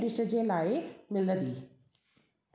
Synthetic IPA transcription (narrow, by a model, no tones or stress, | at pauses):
d̪ɪʃə̆d͡ʑeːlaːɪmɪləd̪iː